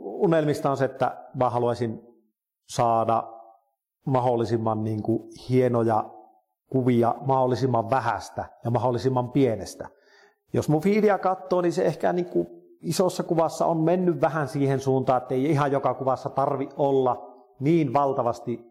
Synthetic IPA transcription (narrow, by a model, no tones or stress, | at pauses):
unelmist̪ɑonseet̪ːæ̰mæhɑluɑsʲin | sɑːdɑ | mɑholːˑisimːɑnniːŋkuhienojɑ | kuʋiɑ̰mɑholːisimːɑʋʋæhæ̰st̪æjɑmɑholːisimːɑmpienḛst̪æ̰ | jo̰smufiːliækɑt̪ːoːninseehkæ̰niːŋku | isosːɑkuʋɑsːɑ̰ommenːyʋʋæhænsiːhensuːnt̪ɑːĕt̪ːeˑiihɑjjokɑkuʋɑsːɑt̪ɑrʋiʔʔolːɑ | niːnʋɑlt̪ɑʋɑst̪i